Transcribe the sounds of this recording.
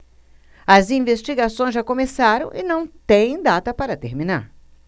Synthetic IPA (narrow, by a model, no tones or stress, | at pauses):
ɐzĩvest͡ʃiɡasõj̃zʒakomesaɾɐ̃w̃ʔɪnɐ̃w̃t̪ẽj̃d̪at̪ɐpaɾɐt̪eɾmina̰ɾ